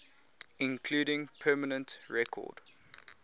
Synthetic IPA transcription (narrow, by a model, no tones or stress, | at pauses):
ɪ̃nkʰluːɾɪ̃ŋpʰɜːmənə̃ntɹɛkʰɔ̰d̥